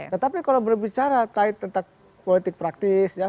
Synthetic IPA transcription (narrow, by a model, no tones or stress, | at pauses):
t̪ət̪apikalawbərbit͡ʃaɾat̪aɪt̪ːənt̪aŋ | polit̪ɪk̚pɾak̚t̪ɪsja